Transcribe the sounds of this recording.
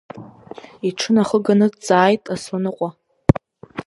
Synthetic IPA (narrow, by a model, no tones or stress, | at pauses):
iʈ͡ʂʰɨnaχəɡanɨt͡sʼaːjtʼasonɨqʷʼa